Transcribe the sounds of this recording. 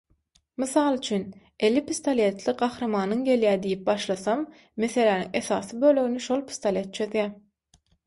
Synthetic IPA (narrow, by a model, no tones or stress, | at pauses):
mɨθɑːlˠyt͡ʃʰyn | e̞lːipist̪olʲe̞t̪ʰlˠiɢɑxɾɑmɑːnɯŋɡʲe̞ljæːd̪ijip̚bɑʃlˠɑθɑmː | e̞θe̞læːnḭŋe̞θɑːsɯbøːløɣyniʃolˠpʰi̥st̪olʲe̞t̪̚t͡ʃʰøðjæ